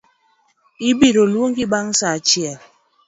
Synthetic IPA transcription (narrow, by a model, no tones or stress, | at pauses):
ibiɾolwoŋɡiɓaŋsat͡ʃjɛl